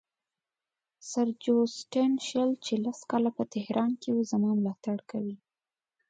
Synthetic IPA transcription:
saɾd͡ʒosʈenʃəlt͡ʃelaskɑlapət̪ɪhɾʔɑnkewuzamɑmlɑt̪aɽkawi

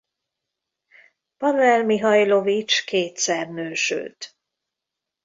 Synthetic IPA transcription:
pɒnɛlmiɦɒjlo̞vit͡ʃkeːt̪sɛrnøːʃy̰lt̪

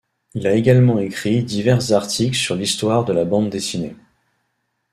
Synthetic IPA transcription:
ilaeɡalmɑ̃ekχid̪ivɛʁzaʁt̪ʰiklsyʁlist̪waʁd̪əlabɑ̃d̪d̪esine

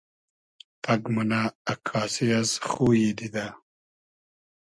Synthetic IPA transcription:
t̪ɐɡmunaakʰaːsiazxuːjid̪id̪a

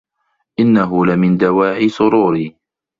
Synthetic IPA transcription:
ʔɪnːaɦʊlɪmɪnd̪awaːʕɪsˤʊɾuːɾiː

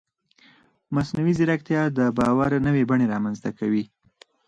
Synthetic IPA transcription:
masnawizɪɾakt̪jɑd̪əbɑwaɾnəwebaɳeɾɑmanzt̪akawi

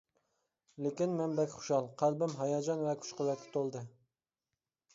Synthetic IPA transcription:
lekʲinmɛmbɛkʲχʊ̥ʃɑlˠqʰælbɪmɦɑjɑd͡ʒɑnvɛkʲʰu̥ʃqəlɛk̪̚ʲkʰʲɛ̥t̪ʰolˠd̪ɨ

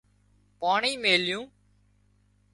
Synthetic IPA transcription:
paːɳiːmeːljũː

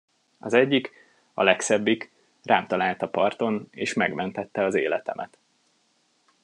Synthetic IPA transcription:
ɒzɛɟːik | ɒ̰lɛksɛbːik | rʔaːmt̪ɒlaːlt̪ɒpɒrt̪o̞neːʃmɛɡmɛnt̪ɛt̪ːɛɒzeːlɛt̪ɛ̰mʔɛ̰t̪

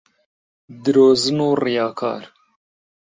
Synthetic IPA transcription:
d̪ɨɾoːzɨnoːrijɑːkʰɑ̰ːɾ

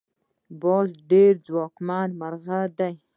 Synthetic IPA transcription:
bozɖeɾd͡zwɑkmɑnmaɾɣad̪aj

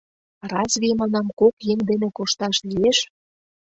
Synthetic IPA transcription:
rɑsβimɑnɑmkokjeŋd̪enekoʃt̪ɑʃlieʃ

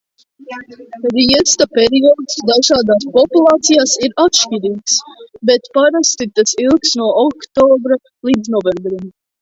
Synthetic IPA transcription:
ɾiɛst̪apeɾiɔːd̪sd̪aʒaːd̪aːspɔpulˠɑːt̪sijaːsiɾat̪ʃcʲiɾiːksbet̪paɾast̪it̪asilˠksnuɔɔkt̪ɔːbɾa | lˠiːd̪znɔvɛmbɾim

